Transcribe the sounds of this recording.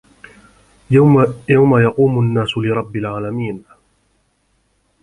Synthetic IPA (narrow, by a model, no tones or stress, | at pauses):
jawmajɑquːmʊnːaːsʊlɪɾˤɑbːɪlʕaːlamiːn